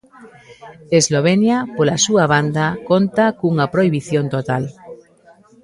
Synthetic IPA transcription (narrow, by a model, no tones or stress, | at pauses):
ezloβ̞enjapolasuaβ̞and̪akont̪akuŋapɾoiβiθjont̪ot̪al